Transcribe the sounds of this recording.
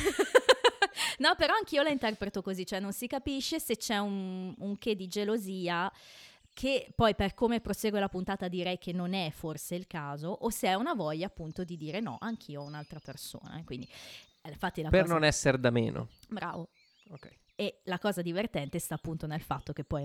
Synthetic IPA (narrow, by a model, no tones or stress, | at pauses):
nɔpeɾɔaŋk̟iːolaint̪ɛrpɾet̪okozit͡ʃːoɛnːonsikapiʃːeset͡ʃːɛunuŋked̪id͡ʒeloziːa | kʰepːɔjperkomepɾoseːɡwelapunt̪aːt̪ad̪iɾɛjkʰenːonɛforseilkaːzoʔoseɛunavɔʎːaːpːunt̪od̪id̪iːɾenɔ̰ʔaŋk̟ʰiːounalt̪ɾaperso̰ːna̰kwind̪i | ɱfat̪ːilapeznonɛsːeɾd̪amḛːnʔo̰bɾa̰ːvo | okɛj | elakɔːzad̪ivert̪ɛnt̪est̪aːpːunt̪onelfat̪ːok̟epːɔj